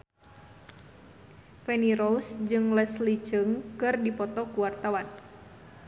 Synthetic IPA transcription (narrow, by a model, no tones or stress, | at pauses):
fɛniɾɔsd͡ʒɨŋlɛslit͡ʃɨŋkɨrdipɔt̪ɔkuwart̪awan